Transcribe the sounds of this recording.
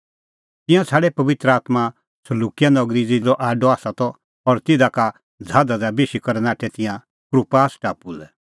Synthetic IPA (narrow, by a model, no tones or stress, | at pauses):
t̪ɪ̃jãt͡sʰaːɽɛpɐʋɪt̪ɾəaːt̪ma | sɐluːkijanɔɡɾid͡zid͡zɔʔaːɖɔaːsat̪ɔ | ɔɾt̪ɪd̪aka | d͡zʱaːd̪ad͡zabeːʃikɔɾɛnaːʈʰɛt̪ɪ̃jã | pɾupaːsʈa̰ːpulɛ